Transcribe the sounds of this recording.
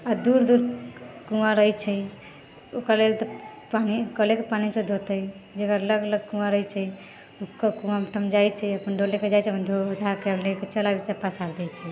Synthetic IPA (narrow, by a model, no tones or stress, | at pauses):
ad̪uɾd̪uɾkũãɾəjt͡ʃʰɛi | okəɾlelt̪ɔpanikəlekepanisẽd̪ʱot̪əd͡ʒekəɾələɡələɡ̚kũãɾəjt͡ʃʰə | ukːəkũamʈʰəmd͡ʒajt͡ʃʰɛəpənɖoleked͡ʒajt͡ʃʰɛəpənd̪ʱod̪ʱakɛleket͡ʃəlabisepasaɾd̪ɛt͡ʃʰɛ